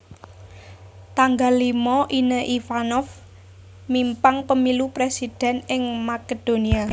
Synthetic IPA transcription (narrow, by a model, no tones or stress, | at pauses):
t̪aŋɡalːimɔʔinəʔifanɔf | mimpaŋpəmilupɾesid̪̥ɛ̤nɪŋmaked̥o̤nia